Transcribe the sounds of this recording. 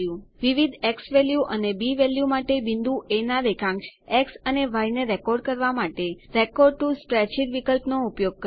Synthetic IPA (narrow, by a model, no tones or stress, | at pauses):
juʋiʋid̪ʱeksʋɛljuʔənebiʋeljumaʈebind̪ʱuenad̪ekãŋkʃeksəneʋajneɾekɔɾɖkəɾʋamaʈeɾekɔɾɖ̚ʈuspɾɛt͡ʃiɾʋikəlpnoupjoɡ̚kə